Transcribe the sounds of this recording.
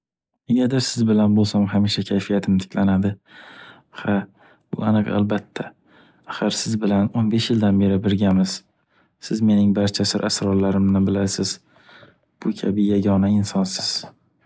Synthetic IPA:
neɡʲad̪asɪzbɪlanbolˠsamɦamiʃakʲʰajfijat̪ʰɪmt̪ʰɪ̥kʲʰlanad̪ɪ | ha | b̥ʊ̰anɨqa̰lbat̪ʰːa | aχɨɾsɪzbɪlanonbe̞ʃjɪld̪anbe̞ɾɪbɪɾɡʲamɪz̥ | sɪzme̞nɪŋbaɾt͡ʃʰasɪɾʔasɾɒɾlaɾɪmnɪbɪlaɾsɪz̥ | b̥ʊkʲʰabɪjaɡʲɒnaɪnsɒnsɪz̥

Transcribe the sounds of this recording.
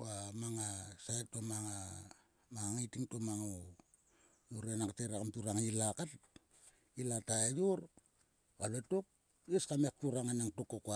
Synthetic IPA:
amaŋasaetomaŋa | maŋitiŋtomaŋo | joɾenakteɾakamtuɾaŋilakat | ilataejoɾ | aletok̚ | jeskamek̚tuɾaŋanaŋtokoka

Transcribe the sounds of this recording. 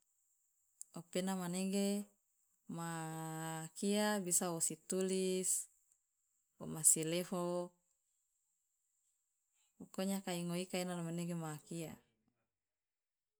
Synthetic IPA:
openamaneɡe | ma | kiabisaosit̪ulis | omasilefo | ukoɲakaiŋoikainalomaneɡemaːkia

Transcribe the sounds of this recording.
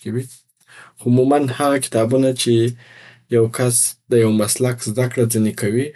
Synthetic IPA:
kawi | ʊmumanhaɣakɪ̥t̪ɑbunat͡ʃe | jawkasd̪əjawmaslakzd̪akɽad͡zənekawi

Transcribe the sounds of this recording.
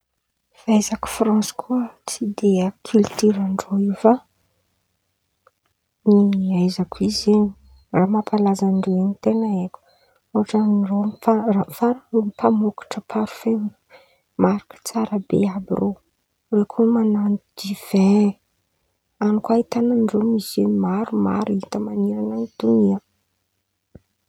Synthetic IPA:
v̥ajzaku̥fɾɑ̃si̥kʰuət͡sid̪eakʰylt̪iɾaɳɖ͡ʐoifa | niajzakuizeɲi | ramapʰalazanɖ͡ʐeweɲit̪enaekʲu̥ | uaʈ͡ʂanrofaamfaɾaomipʰamuki̥ʈ͡ʂəpʰaɾu̥fe | maɾikə̥t͡saɾəbḛabḭro | rekʰumananid̪iv̥e | anukwait̪ananɖ͡ʐomisenmaɾuma̰ɾit̪əmaniɾananit̪uniə

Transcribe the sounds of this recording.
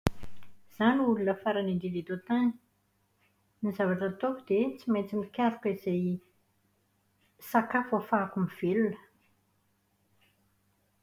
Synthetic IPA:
z̥aniulunəfaɾanind̪ilit̪ot̪ani̥ | nizavaʈ͡ʂət̪okud̪̥et͡simajt͡simikʲaɾukiz̥ej | sakafofaːkumiv̥elunə̥

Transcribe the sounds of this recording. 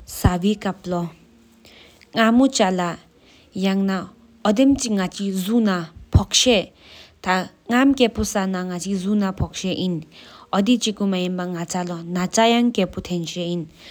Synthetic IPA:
sawikaplɔ | ŋamut͡ʃala | jaŋna | ɔd̪emt͡ʃiŋat͡ʃizunapʰɔk̚ʃe | t̪ʰa | ŋamkepusanaŋat͡ʃizunapʰɔk̚seʔinɔd̪it͡ʃikumaembaŋat͡salɔnat͡sajaŋkeput̪ʰenʃein

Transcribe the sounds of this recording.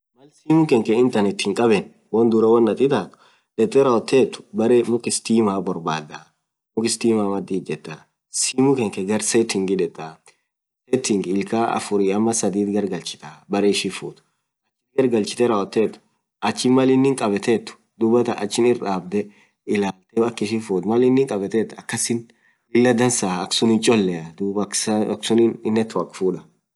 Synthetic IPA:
mɐlsiːmʊkɛŋkɛɪnt̪ɐnɪt̪ːɪŋkʼɐbɛn | wɔnd̪ʊɾɐwɐnːɐt̪ɪt̪aːt̪ʊ̥ | ᶑɛt̪ʼːɛɾɐɔt̪ʰːeːt̪ːʊ̥bɐɾmʊkɪst̪iːmaːbɔɾbaːd̪a | mʊkɪst̪iːmaːmɐd̪iːd͡ʒɛt̪ʼːa | siːmʊkɛŋkɛɡɐɾset̪ɪŋɡɪᶑɛt̪ʼːa | set̪ɪŋɡɪlkaːɐ̰fʊɾiɐmːɐsɐd̪iːt̪ɡɐɾɡɐlt͡ʃɪ̥t̪abɐɾeːʃɪfuːt̪ʊ̥ | ɐt͡ʃːɪt̪ɡɐɾɡɐlt͡ʃɪ̥t̪ɛɾɐwɔt̪ːeːt̪ːʊ̥ | ʔɐt͡ʃːɪnmɐlɪnːɪŋkʼɐbɛt̪eːt̪ːʊ̥ | d̪ʊbɐt̪ɐʔɐ̰t͡ʃːɪnɪraːb̚d̪ɛ | ɪlaːlt̪ɛɐkːɪʃɪfuːt̪mɐlɪnːɪŋkʼɐbɛt̪ɛːt̪ːɐkːɐsɪn | lɪlːɐd̪ɐnsaːɐksʊnɪt͡ʃʼɔlːɛɐd̪ubsɐksʊnɪnɪnːɛt̪ːʊɐkfuːᶑɐ̥

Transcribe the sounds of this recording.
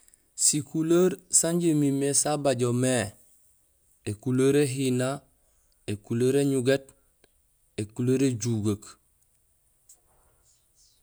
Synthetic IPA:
sikuləɾsaɲɟemimesabaɟome | ekuloɾeɦina | ekuloɾeɲuɡet | ekuloɾeɟuɡak

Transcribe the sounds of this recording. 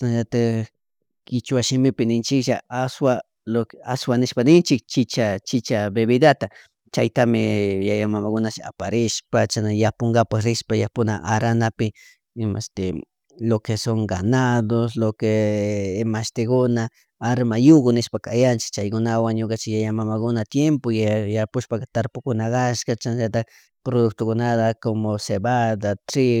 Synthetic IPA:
naʒat̪a | kɪt͡ʃwaʃɪmɪpɪnɪnt͡ʃɪkʃaaswa | lokaswanɪʃpanɪnt͡ʃɪk̚t͡ʃɪt͡ʃat͡ʃɪt͡ʃabeβid̪at̪a | t͡ʃajt̪amɪjajamamakʊnaʃa̰paɾɪʃpat͡ʃanajapoŋɡapaxɾɪʃpajapʊna̰ʔaɾanapɪ | ɪma̰ʃt̪e | lokesoŋɡanad̪oslokeː | maʃt̪ɪkʊna | aɾmajoɡonɪʃpakajant͡ʃɪ̥k̚t͡ʃajkʊnawaŋɲokat͡ʃɪjajamamakʊnat̪jempojajapʊʃpakat̪aɾpʊkʊnaɡaʃkat͡ʃanʒat̪a | pɾod̪ʊk̚t̪okʊnad̪akomosebad̪at̪ɾɪ

